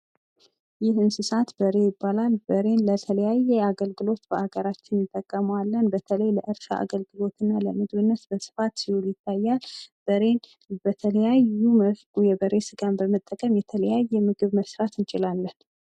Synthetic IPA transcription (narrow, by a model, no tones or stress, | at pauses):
jɪhɨnsɨsat̪bəɾe̞jɪbːalalbəɾe̞nlət̪ʰələjajːɛaɡəlɡɨlo̞t̪b̥əʔaɡəɾat͡ʃːɪnjɪt̪ʼːəkʼːəməwalːənbət̪ʰələjləʔɨɾʃa̰ʔa̰ɡəlɡɨlo̞t̪ʰɨnːaləmɨɡβɨnːət̪bəsɨ̥fat̪sihuljɪt̪ʰːajːalb̥əɾe̞n | bət̪ʰələjajum | jɛbəɾe̞sɨɡambəmət̪ʼːəkʼəmjɛt̪ʰələjajːɛmɨɡɨβməsɾat̪ʰɨnt͡ʃʼɪlalːən